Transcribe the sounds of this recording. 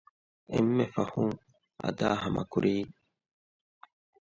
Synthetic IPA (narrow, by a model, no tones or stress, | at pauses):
emːefɐhuŋ | ɐ̰d̪aːɦɐmʔɐ̰kuɾʔiː